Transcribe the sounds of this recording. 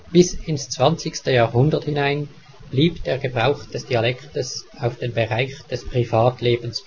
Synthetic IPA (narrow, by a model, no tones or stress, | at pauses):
b̥ɪsɪnst͡sv̥ant͡sɪçstəjaːʁhʊndəthɪnaɪn | b̥liːpd̥eːɐɡəbʁaʊxd̥ɛsd̥ialɛktəs | aʊfd̥eːnbəʁaɪçd̥ɛspʁ̥ivaːtleːbəns